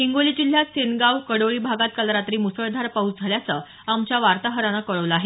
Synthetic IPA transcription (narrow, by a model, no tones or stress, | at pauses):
iŋɡolid͡ʑil̤jasenɡawkəɽoɭiːbʱaɡat̪̚kəlɾat̪ɾiːmusəɭd̪ʱaɾpaut͡sd͡zʱaljat͡sə | amt͡ɕjaʋaɾt̪aɦəɾanakəɭəʋləaɦe